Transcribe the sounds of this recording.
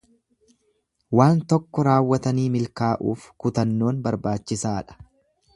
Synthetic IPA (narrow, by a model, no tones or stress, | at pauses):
waːnt̪ɔkːɔɾaːwːɐt̪ɐniːmɪlkaːʔṵːfkʊt̪ɐnːo̞ːnbɐɾbaːt͡ʃːɪsaːᶑɐ̥